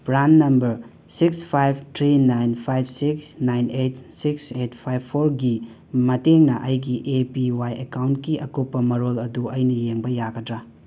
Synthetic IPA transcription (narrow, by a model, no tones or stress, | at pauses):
b̥ɾanːɐmbɐɾ | sikspʰajb̚tʰɾinajnpʰajb̚ʰʱsiksnajnetsikset̚pʰajbpʰːoɾɡi | mɐteŋnɐʔɐjɡiʔepiwajekawntkiʔɐkopːɐmɐɾolɐduɐjnɐjeŋbɐjaɡɐdɾa